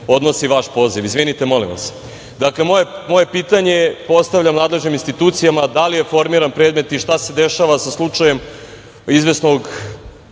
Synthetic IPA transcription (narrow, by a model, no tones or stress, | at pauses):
o̞d̪no̞siʋaʃpo̞ːziʋizʋinit̪emo̞limʋa̰s | d̪akle̞moemo̞je̞piːt̪aɲe̞po̞st̪avʎamnaːd̪leʒniminst̪it̪uːt̪sijamad̪alije̞fo̞ɾmiɾanpɾed̪me̞t̪iʃt̪ase̞d̪eʃaʋasaslˠut͡ʂaje̞m | izʋe̞sno̞ɡ